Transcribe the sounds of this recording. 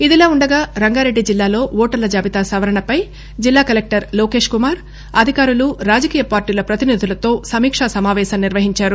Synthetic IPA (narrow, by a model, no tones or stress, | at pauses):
id̪ilaːuɳɖɐɡaːɾɐŋɡaːɾe̞ɖːid͡ʒilːaːlo̞ːʋɔːʈɐɾlɐd͡ʒaːbit̪aːsɐʋɐɾɐɳɐpɐj | d͡ʒilːaːkɐlek̚ʈɐɾloːke̞ːʂkumaːɾ | ɐd̪ʱikaːɾuluɾaːd͡ʒɐkiːjɐpaːɾʈiːlɐpɾɐt̪inid̪ʱulɐt̪o̞ːsɐmiːkʂasɐmaːʋɛːʃɐmniɾʋɐɦiɲt͡ʃaːɾu